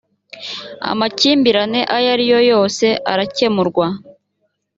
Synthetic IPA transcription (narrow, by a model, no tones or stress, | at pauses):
a̰maciːmbiɾane̞ʔajaɾijo̞jo̞ːse̞ʔaɾace̞muɾɡwa